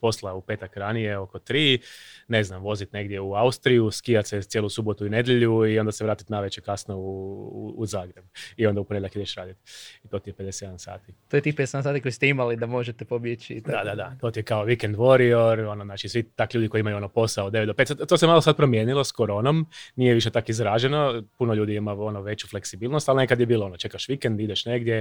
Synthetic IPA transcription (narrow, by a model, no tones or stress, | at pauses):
po̞slˠaupe̞ːt̪akɾanije̞o̞ko̞t̪ɾiːne̞znamʋo̞zit̪ne̞ɡd̪je̞uaust̪ɾijuskijat̪set̪jelusubo̞t̪uine̞d̪jeʎuio̞nd̪aseɾaːt̪i̥t̪naʋet͡ʃekasnouː | zaːɡɾebio̞nd̪aupoeakid̪eʃɾaːd̪it̪it̪o̞t̪ijepe̞d̪eset̪jeansa̰ːt̪it̪ojet̪ixped̪esed̪ansat̪ikojisi̥t̪eimalid̪amoʒet̪ɛpobjet͡ʃḭd̪ad̪ad̪at̪ot̪ijekaoʋikend̪ʋoɾioɾo̞noznaːt͡ʃisʋit̪akʎuːd̪ikojiimajuo̞nopo̞saod̪eet̪d̪opet̪sat̪t̪oːsemalosad̪̚pɾo̞mjeːnilo̞sko̞ɾo̞ːnomnijeʋiʃ̬et̪akizɾaʒenopunoʎuːd̪iimao̞noʋe̞t͡ɕufleksibiːlˠnost̪alˠnekad̪jebiːloo̞not͡ʃe̞kaʃʋikend̪id̪eʃne̞ɡd̪je